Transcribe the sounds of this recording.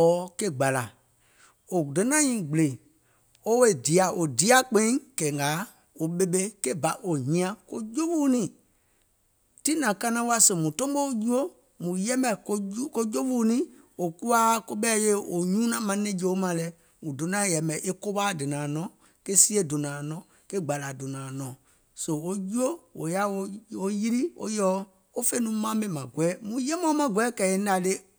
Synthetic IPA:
ɔː˨˦ke˦ɡ͡ba˨la˨ | o˨do˨˦nã˦ɲĩ˨ɡ͡ble˨ | o˦we˦˨di˨a˨ʔo˨di˨˦a˦˨k͡pẽ˦ĩ˦kɛ˨ŋɡaː˨˦ | o˨ɓe˦ɓe˦ke˦ba˨ʔo˨ɲĩ˧˦ã˨ko˦d͡ʒo˦ɓuː˦nĩ˨ | ti˦nã˨ka˦nã˦wa˦sə˨mũ˨tɔ̃˦ɓo˦ju˦o˦ | mũ˨jɛ˦mbɛ˨ko˦ko˦d͡ʒo˦ɓu˦nĩ˦ | o˨ku˦a˦ko˦ɓɛ˦je˦o˨ɲũː˦nã˨˦mã˨˦nẽ˦d͡ʒe˨o˦mã˧˨lɛ˨˦ | mũ˨do˨nã˨˦jɛ˨mɛ̃˨ʔe˦ko˦ɓaː˦˨dɨ˨nãː˨nɔ̃˨˦ | ke˦si˦e˦˨do˨nãː˨nɔ̃˨˦ | ke˦ɡ͡ba˨la˨do˨nãː˨nɔ̃˨ | so˨o˦ju˦o˦o̰˨ja˦o˧˦o˦ji˦ɾi˦o̰˦jɔː˨˦ | o˦fe˦nũ˨˦mã˦mɛ̃˨mã˨ɡwɛː˨˦mũ˨jɛ˦mɔ̃˦mã˨ɡwɛː˨˦kɛ˨e˦da˨le˦

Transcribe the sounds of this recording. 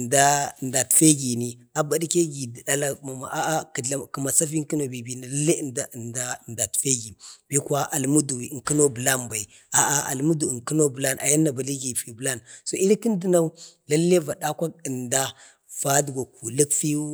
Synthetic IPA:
nda˦˨nda˨tfe˦ɡi˨ni˨a˨ba˨di˦ke˦ɡi˨dɗa˦la˦ma˨ma˨ʔa˦ki˨a˨ki˨ma˨sa˦fi˦ŋki˦no˨bi˨bi˨na˨la˦lːe˦˨nda˦˨nda˦˨nda˨tfe˦ɡi˨b̥i˦ka˦ʔa˨lmu˦du˨wi˨ki˦no˦bə˨la˦nba˨i˨ | a˨a˨a̰˨lmu˦du˨ŋki˦no˦bə˨la˦nʔa̰˨ja˦nːa˨ba˨li˦ɡi˨fi˨bə˨la˦nso˨i˦ɾi˦ki˦n˦di˦na˦u˦la˦lːe˦va˨ɗa˦kʷa˦ə˨nda˦ | v̥a˦dɡʷa˨ku˨lə˦kfi˦

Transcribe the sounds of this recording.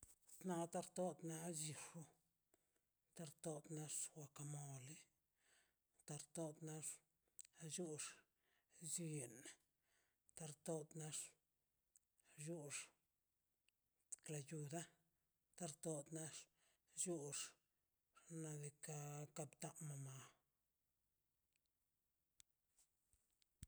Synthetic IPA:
t̪na˧t̪a˦ɾt̪o˦d̪na˧˦zi˧ʂu˦ | t̪a˧ɾt̪o˧d̪na˧ʂwa˧ka˧mo˨li˦ | t̪a˧ɾt̪o˦d̪na˧ʂ | d͡ʒu˦ʂ | zi˧je˨na˨ | t̪a˧ɾt̪o˦d̪na˧ʂ | ju˦ʂ | kla˧˨ju˨d̪a˦ | t̪a˦˧ɾt̪o˧d̪na˦ʂ | ju˦ʂ | ɾna˧d̪i˧ka˧ka˧bt̪a˦ma˧ma˧

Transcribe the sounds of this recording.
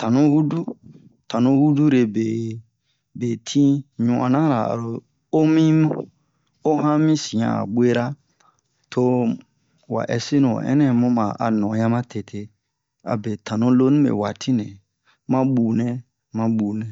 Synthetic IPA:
tã˨nũ˦hu˦du˦ | tʰã˨nũ˦hu˦du˦ɾe˨be˨ | be˨tʰĩ˦ɲũ˨ã̰˨nã˦ɾa̰˨a̰˨ɾo˨ | o˦mĩ˦mũ˦ | o˦hã˦mĩ˦sĩ˨ã̰˨a̰˨ɓʷe˦ɾa˦ | tʰo˧ | wa̰˨ʔɛ˨se˦nṵ̃˨ʔɛ̰˦nɛ̃˦˨mũ˦mã˨a˨nɔ̃˨ja˦mã˦tʰe˨tʰe˨ | a̰˨be˨tʰã˨nũ˦lo˦nũ˦mḛ˨wa˨tʰi˦nɛ̃˨ | mã˦ɓuː˨nɛ̃˦ | mã˦ɓu˨nɛ̃˨

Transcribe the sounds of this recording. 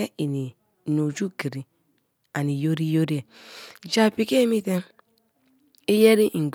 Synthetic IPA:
e˦i˨ni˨ | no˨d͡ʒu˦ki˨ɾi˨ | a˨ni˨jo˦ɾi˦jo˦ɾi˦e˨d͡ʒa˨pi˨ke˦mi˦te˦ | i˦je˦ɾi˦ʔ̩˨ɡ

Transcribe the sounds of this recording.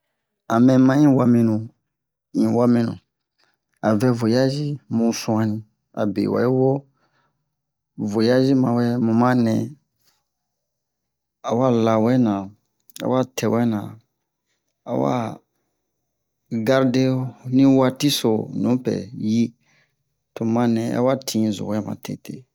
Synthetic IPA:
a˨mɛ̃˨mã˦ĩ˦wa˧mĩ˧nũ˨ | ĩ˨wa˦mĩ˧nṵ̃˨ | a˨vɛ˧vo˨ja˦zi˦mũ˧sũ˦ã˧nĩ˧ | a̰˨bḛ˨wa̰˨ji˦wo˦ | vo˨ja˦zi˦mã˧˨wɛ˦mũ˨mã˦nɛ̃˨ | a˨wa˦la˨wɛ˦nã˨ | a̰˨wa˦tʰɛ˨wɛ˦nã˨ | a˨wa̰˦ | ɡa˧ɾde˦o˦nĩ˦wa˦˧ti˦so˨nũ˨˦pɛ̰˨ji˦ | to˨mã˧nɛ̃˨a̰˨wa˦tʰĩ˦˨zo̰˨wɛ˦mã̰˨te˨te˦˨

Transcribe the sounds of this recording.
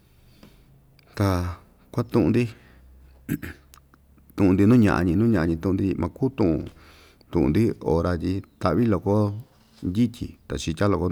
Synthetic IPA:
t̪a˧ | kʷa˦t̪ũ˧ʔũ˧d̪i˦ | t̪ũ˧ʔũ˧nd̪i˧nũ˦ɲã̰˧ʔa̰˧ɲĩ˧nũ˦ɲã˧a˧ɲĩ˧t̪ũ˦ũ˧d̪i˦i˧mʔã˧kuː˦t̪ũ˦ʔṵ̃˧ | t̪ũ˧ʔṵ̃˨nd̪i˦o˨ɾa˧t̪ʲi˧t̪a˨ʔβi˦lo˧ko˦ | nd̪ʲi˦t̪ʲḭ˨t̪a̰˨t͡ʃi˧t̪ʲa˦lo˧˨ko˧˦

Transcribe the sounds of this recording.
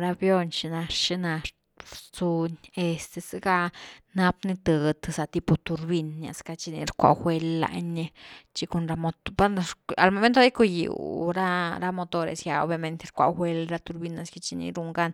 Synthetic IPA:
ɾa˦bjo˧nt͡ʃi˧na˧ʂt͡ʃi˦na˧ʂ | t͡su˧ɲe˧st̪e˧se˦ɡa˦na˦pni˦t̪ə˨d̪sa˨t̪i˧po˧t̪u˧ɾbi˧nja̰˨ska˧t͡ʃi˧nḭ˧ɾkʷa̰˧˨xwe˧lːa̰˧ɲe˧t͡ʃi˧ko˧nɾa˧mo˧t̪ba˦˧a˨lmo˨me˦nt̪oɾa˦ku˧jḭ˨wɾa˦ɾa˦mo˧t̪o˧ɾḛ˨sja˨o̰˧˦bja˧me˧nt̪e˧ɾkʷa̰˧xʷe˦lɾa˦t̪u˧ɾbi˧na˨ska˧t͡ʃi˧nḭ˧ɾu˧ŋɡa˦n

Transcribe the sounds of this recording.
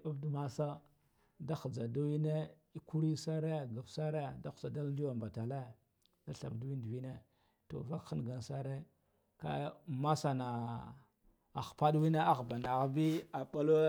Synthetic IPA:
a˦vdu˦ma˦sa˦ | da˦xd͡za˨da˦wi˦ne˦ | i˦ku˦ɾi˦sa˦ɾe˦˨ɡa˨fsa˦ɾe˦˨da˦xu̥˨sa˨da˦li˦wa˨mba˨ta˨le˦˨ | da˦ɬa̰˨bdwi˦ndvi˦ne˦ | to̰˨va˦kxi˦n˨ɡa˨nsa˦ɾe˦ | ka̰˦ma˦sa˨na˨ | a˨xpa˦ɗwi˦ne˦a˦ɣba˨na˨ɣa˦bi˦a˨pa˦lo˦

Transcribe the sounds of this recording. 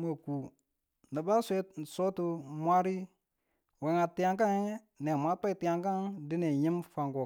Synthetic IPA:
ma˨ku˨ | nə˨ba˦sʷe˦n̩˨so˦tu˨mʷ˦a˦ɾi˦ | we˨ŋa˨ti˨a˨ŋka˦ŋe˦ | ne˨mʷa˦ta˦i˨ti˨a˨ŋka˦ŋdi˦ne˨ɲi˦mfa˨ŋko˨

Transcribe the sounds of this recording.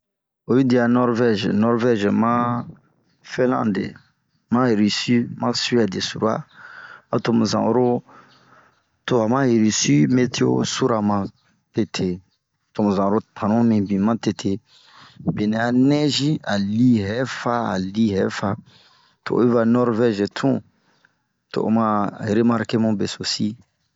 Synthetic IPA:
o˨ji˦di˨a˨nɔ˦ɾvɛ˦ʒnɔ˦ɾvɛ˦ʒmã˦ | fɛ̃˦lã̰˦dḛ˨ | mã˦e˨ɾi˨si˦mã˦sɥɛ˨de˨su˨ɾu˦a̰˦a˨to˨mũ˨zã̰˨o˦ɾo˦ | to˨a˨mã˦he˨ɾi˨si˦me˦ti˦o̰˦su˦ɾa˨mã˨ | te˦tʰe˨ | to˨mũ˨zã˨˦ɾo˦tʰã˨nũ˦mĩ˨bĩ˨mã˦te˨tʰe˨ | be˨nɛ̃˨a˨nɛ˦ʒi˦a˨li˦ɦɛ˨˦fa˦a̰˨li˦ɦɛ˨˦fa˨ | to̰˨˦i˦va˧nɔ˦ɾvɛ˦ʒe˨tʰũ˦ | to̰˨o̰˨mã˦e˨ɾe˦ma˦ɾke˦mũ˦be˨so˨si˦

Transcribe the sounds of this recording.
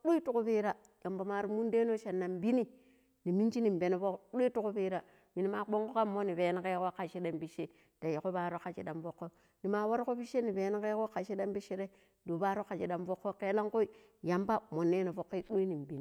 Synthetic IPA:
ɗu˦i˦tu˦ku˦be˦ɾa˦ | ja˨mba˨ma˨ɾi˨mu˦n˦de˦no˦ʃa˨nːa˨mbi˦ni˦ | ni˨mi˦nt͡ʃi˦ni˨mbe˨ne˦fo˦ɗu˦i˦tu˦ku˦bi˦ɾa˨ | mi˨ni˨˦ma˨k͡po˦ŋko˦ka˦mːo˦ni˨be˨n˦ke˦ko˦ka˨ʃi˦da˨mbi˦ʃe˦ | d̥a˨ji˨ko˦ba˨ɾo˦ka˨t͡ʃḭ˨da˨mvo˦kːo˦ | ni˨ma˨wa˦ɾko˦bi˦ʃe˦ni˨be˨n˦ke˦ko˦ka˨ʃe˦da˦mbi˦ʃi˦ɾe˦ | do˨ba˦ɾo˦ka˨t͡ʃi˨da˨mvo˦kːo˦ke˦la˦ŋko˦i˦ | ja˨mba˦mo˨nːe˦na˨vo˨kːe˦ɗu˦i˦ni˨m˨bi˦ni˨

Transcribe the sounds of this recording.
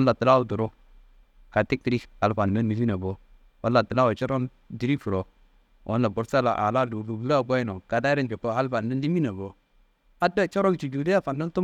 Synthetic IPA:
nla˨tə˨la˦wu˨du˨ɾo˦ | ka˨ti˦k̚tɾi˦a˨lfa˨n˨ne˦nːi˨fi˦na˨bo˨ | wa˦la˨tə˨la˦wo˨t͡ʃɔ˦ɾo˦n | di˨ɾi˦fu˨ɾo˨ | wʔo̰˦nla˨ɡu˨ɾsa˦la̰˨ʔa̰˨la˦˨du˨du˨bu˦la˦˨ɡa˦ji˦no˨ka˨da˦ɾi˦nd͡ʒo˨po˦ha˦lfa˨nda˦ndi˦mi˦na˨bo˨ | a˦da˦˨t͡ʃɔ˦ɾo˦nt͡ʃi˨d͡ʒu˨de˦ja˦fa˨nda˦ntu˦

